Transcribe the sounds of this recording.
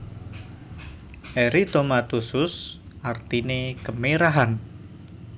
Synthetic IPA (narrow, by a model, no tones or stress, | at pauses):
ʔɛɾit̪omat̪usʊs | ʔart̪inekəmeɾaɦan